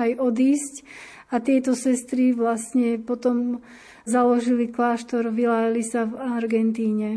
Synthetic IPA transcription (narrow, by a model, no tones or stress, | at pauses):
ajɔd̪iːsc | at̪ɪɛt̪ɔsɛst̪ɾiʋlasɲɛpɔt̪ɔm | zalɔʒiliklaːʃt̪ɔɾʋilaːjalisavaɾɡɛnt̪iːɲɛ